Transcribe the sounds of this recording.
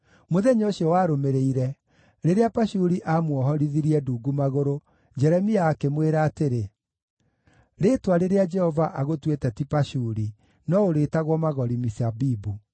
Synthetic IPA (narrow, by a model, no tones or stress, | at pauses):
moðɛɲoɕiɔwaːɾomeɾeiɾɛ | ɾeɾeapaʃuɾiʔamwɔɦɔɾiðiɾiɛduːɡumaɣoɾo | d͡ʒɛɾɛmiaːkemweɾaːteɾe | ɾetwaɾeɾead͡ʒɛhɔvaʔaɣotwetɛtipaʃuɾi | nɔoɾeːtaɣwɔmaɣɔɾimisabibu